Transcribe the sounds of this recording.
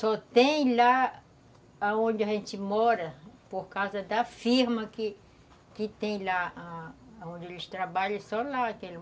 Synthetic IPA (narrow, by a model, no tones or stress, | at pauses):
sɔt̪ẽj̃la | õd͡ʒɪɐʒẽnt͡ʃ̪ɪmɔɾɐpoɾkawzɐd̪ɐfiɾmɐkɪ | kɪt̪ẽj̃laaːõnd͡ʒɪelɪst̪ɾabaʎɐsɔlaakel